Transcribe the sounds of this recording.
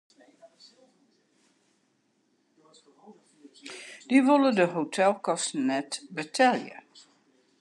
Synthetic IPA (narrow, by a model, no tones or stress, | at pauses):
d̥iʋolədəɦotʰɛlˠkɔstn̩nɛtbətʰɛljə̰